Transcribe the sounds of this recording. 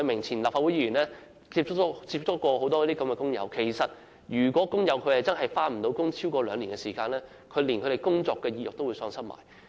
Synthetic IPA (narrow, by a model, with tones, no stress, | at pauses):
jmɪ˨˩ŋt͡sʰiː˨˩nlaː˨pfa˧t̚u˨˥ji˧˥yː˨˩nlɛː˥ | t͡siː˧p̚t͡ʃʊ˥t͡siː˧p̚t͡ʃʰʊ˥kːɔː˧ho˨˥wt̪ɔː˥jɔ˥t̪iː˥kɐ˨˥mkɛː˧kʊ˥ŋjɐ̰˨˧˥wkʰe˨˩jsɐ˨t̚ | jyː˨˩kʷɔː˨˥kʊ˥ŋjɐ˨˧wkʰɵ˨˧˥hɐ˨jt͡sɐ˥nɦɐ˨jfaː˥nm̩˨˩t̪o˨˧˥wkʊ˥ŋt͡sʰiː˥wkɔː˧lœː˨˧ŋliː˨˩nkɛ˧siː˨˩kaː˧nlɛː˥ | kʰɵ˨˧ɥli˨nʰɵ˨˧ɾe˨˩jkʊ˥ŋt͡sɔː˧kːɛː˧jiː˧˩jʊ˨k̚t̪o˥wu˨˧sœː˧ŋsɐ˥ma̰ː˨˩j